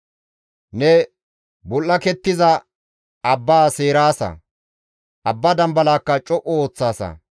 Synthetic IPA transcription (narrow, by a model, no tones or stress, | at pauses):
nɛ | bɔlʔːɐkɛt̪ːɪzɐ | ɐbːaːse̞ːɾaːsɐ̰ | ʔɐbːɐd̪ɐmbɐlaːkːɐt͡ʃʼɔʔɔoːt͡sːaːsɐ̰